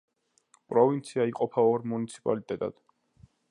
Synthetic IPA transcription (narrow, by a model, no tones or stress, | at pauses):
pʼɾɔvint̪sʰiaiqʼɔpʰaɔɾmunit̪sʰi̥pʼa̰lit̪ʼɛt̪ʼa̰d̪̥